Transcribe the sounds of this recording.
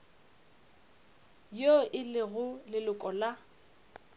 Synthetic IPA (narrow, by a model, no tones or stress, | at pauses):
joʔɪlɪɣʊlɪlʊkʼɔla